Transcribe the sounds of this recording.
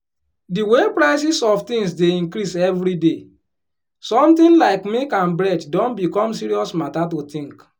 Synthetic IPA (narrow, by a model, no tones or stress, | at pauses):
diwepɾaɪsisɔftĩŋs̬deĩŋkɾisɛvɾide | sɔ̃mtĩnlaɪkmikãnbɾɛddɔ̃nbikɔ̃msiɾiɔsmatat̬otĩŋk